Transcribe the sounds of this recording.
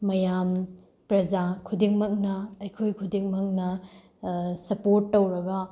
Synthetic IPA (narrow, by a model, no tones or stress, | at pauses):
mɐjam | pɾɐd͡ʒakʰudiŋmɐk̚nɐɐjkʰojkʰudiŋmɐk̚nɐ | sɐpoɾtːowɾɐɡɐ